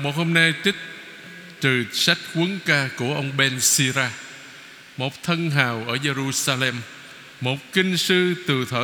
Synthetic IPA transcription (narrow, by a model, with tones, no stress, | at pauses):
mo˨˩ho˧mna˧jt̪ï˦˥k̟̚ | t͡ɕ̪ɨ˨˩sa˦˥jk̚kwi˨˦nkaː˧ku˧˩əʔə˧wŋ͡mɓɛ˧nsi˧zaː˧ | mo˨˩t̚t̪ʰə˧nɦaː˨˩wʔəː˧˩ze˧ɾu˧saː˧lɛ˧mː | o˨˩t̚kï˧ŋ̟sɨ˧t̪ɨ˨˩t̪ʰəː˧˨